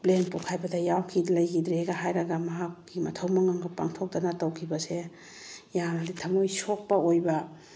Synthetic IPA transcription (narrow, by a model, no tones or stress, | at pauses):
plenpukʰajbɐdɐjawkʰilɐjkʰidɾeɡɐɦajɾɐɡɐmɐɦakːimɐtʰɐwmɐŋaŋɡɐpa̰ŋtʰok̚dɐnɐtɐwkʰibɐse | jamditʰɐmojsok̚pɐojbɐ